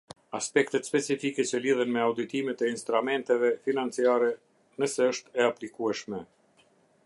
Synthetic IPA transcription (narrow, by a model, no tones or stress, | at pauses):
aspɛkt̪ɛt̪spɛt͡sifikɛt͡ɕəliðɛnmɛawd̪it̪imɛt̪ɛinst̪ɾumɛnt̪ɛvɛfinant͡siaɾɛ | nəsɛəʃt̪ɛaplikuɛʃmɛ